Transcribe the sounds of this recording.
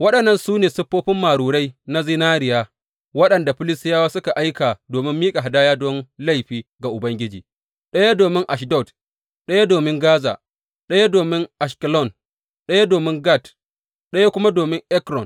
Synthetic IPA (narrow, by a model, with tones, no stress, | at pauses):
wɐ˦ɗɐ˨nːɐ˦nsuː˦neː˨sʊ˦ɸːoː˦ɸɪ˦mːaː˨ɽuː˨ɽa˦jna˦zɪ˦naː˦ɾɪ˨jaː˦ | wɐ˦ɗɐ˨nda˨ɸɪ˦lɪ˦stɪ˦jaː˦waː˦sʊ˦ka˨ʔa˦jkaː˨doː˨mɪ˦mːiː˦kʼa˨ɦa˨daː˦jaː˦dɔ˦nla˦˨jɸiː˦ɡa˨ʔʊ˨bɐ˦ŋɡʲɪ˦d͡ʒḭː˨ | ɗɐ˦ja˦doː˨mɪ˦ŋʔa˨ʃ̬dɔ˦˨t | ɗɐ˦ja˦doː˨mɪ˦ŋɡaː˦za̰ː˨ | ɗɐ˦ja˦doː˨mɪ˦ŋʔa˨ʃkɪ˨lɔ˦˨n | ɗɐ˦ja˦doː˨mɪ˦ŋɡa˦˨t | ɗɐ˦ja˦kʷʊ˦ma˦doː˨mɪ˦ŋʔɛ˦kɾɔ˨n